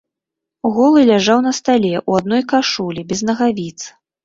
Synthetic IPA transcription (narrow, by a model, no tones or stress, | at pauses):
ɣɔlˠɨlʲaʐawnɐst̪alʲɛʔuad̪̚nɔjkaʂulʲibʲɛznɐɣavʲit̪s